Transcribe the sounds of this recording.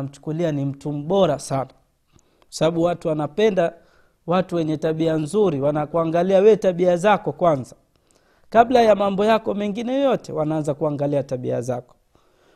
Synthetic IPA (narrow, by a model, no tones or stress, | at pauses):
m̩t͡ʃu̥kulianim̩tum̩ɓɔɾasana | kwasaɓaɓuwatuwanapɛnda | watuwɛɲɛtaɓianzuɾiwanakuaŋɡaliawɛtaɓiazakɔkwanza | kaɓlajamambɔjakɔmɛŋɡinɛjɔjɔtɛwanaanzakuaŋɡaliataɓḭa̰zakɔ̥